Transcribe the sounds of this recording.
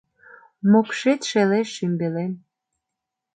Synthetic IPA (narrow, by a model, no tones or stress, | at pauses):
mokʃet̪ʃeleʃːymbelem